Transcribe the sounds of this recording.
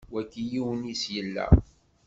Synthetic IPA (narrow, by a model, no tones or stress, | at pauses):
wækːijiwənisjəlːæ̰